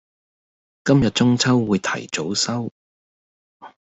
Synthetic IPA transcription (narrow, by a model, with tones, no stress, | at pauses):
kɐ˥mjɐ˨t̚t͡sʊ˥ŋt͡sʰɐ˥wːuː˨˧jt̪ʰɐ̰˨˩jt͡so˨˥wsɐ˥w